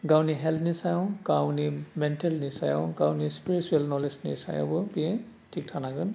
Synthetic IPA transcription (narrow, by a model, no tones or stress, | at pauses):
ɡawniɦɛltnisajɔwkawnimɛntɛlnisajɔ̰wɡawnispiɹit͡ʃuɛlnɔlesnḭsa̰jɔ̰bɔbiɛ | tʰik̚tʰanaɡɯn